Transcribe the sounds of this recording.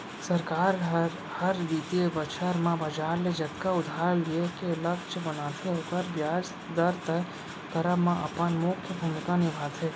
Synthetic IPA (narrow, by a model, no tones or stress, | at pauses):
sɐɾkaːɾɦ | hɐɾd̪it̪iebɐt͡ʃʰəɾmãbɐd͡ʒaːɾled͡ʒɐt̪kaʊd̪ʱaːɾliekelɐkʃbɐnaːt̪ʰeɦoːkəɾbjaːs | d̪ɐɾt̪ə | kɐɾəmãʔɐ̰pənmʊkʰjəbʱumɪkãnɪbʱaːt̪ɦeː